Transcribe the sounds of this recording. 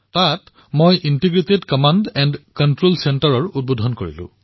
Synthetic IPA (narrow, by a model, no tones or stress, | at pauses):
tat | mojʔintiɡɹitedkɔmandɛndkɔntɹolsɛntaɹɔɹut̚bodʱɔnkoɹḭlʊ̰̃